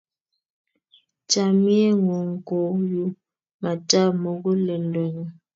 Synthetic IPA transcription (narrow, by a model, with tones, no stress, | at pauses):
t͡ʃa˨mi˦ɛ˦ŋo˨ŋ̩˨ko˨˦ju˦ | ma˨ta˦˨mo˨ɡɔ˦lɛ˨ndɔ˨ŋ˨